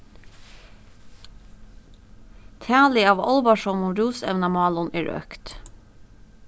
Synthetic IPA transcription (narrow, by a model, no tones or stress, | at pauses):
t̪ʰæːlɪɑːʋɑ̰lbɑʃɔmʊɾuːsɛ̰ʋnɑmɑːlʊnʔæːɹø̰kt̪